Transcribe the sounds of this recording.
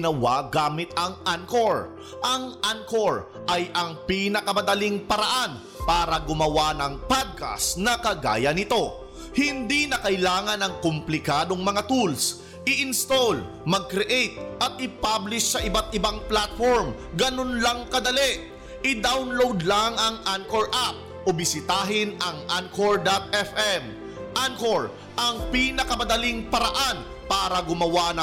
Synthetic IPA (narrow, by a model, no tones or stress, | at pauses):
nɐwaɡaːmɪt̪ɐŋʔankoɹ | ʔɐŋʔankoɹ | ʔɐjʔɐŋpinɐkɐmɐd̪ɐliŋpɐɾɐʔan | paːɾɐɡʊmɐwanɐŋpad̪̚ka̰snɐkɐɡa̰ːjɐnɪt̪o̞ | hɪnd̪inɐkɐɪlaːŋɐnɐŋkʊmplɪkaːd̪o̞ŋmɐŋat̪uls | ʔɪʔɪnst̪ol | mɐɡ̚kɾɛʔɛjt̪̚ʔɐt̪̚ʔɪpablɪʃsɐʔɪbat̪̚ɪbaŋplat̪foɹm | ɡɐnonlɐŋkɐd̪ɐlɛʔ | ɪd̪awnlowd̪lɐŋɐŋankoɹʔap̚ | ʔʊbɪsɪt̪aːɦɪnɐŋʔankoɹd̪at̪̚ɛfɛm | ʔankoɹ | ʔɐŋpiːnɐkɐmɐd̪ɐliŋpɐɾɐʔan | paːɾɐɡʊmɐwanɐ